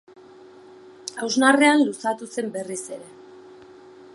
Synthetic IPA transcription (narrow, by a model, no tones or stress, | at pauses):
awznare̞anlusat̪use̞mbe̞rise̞ɾe̞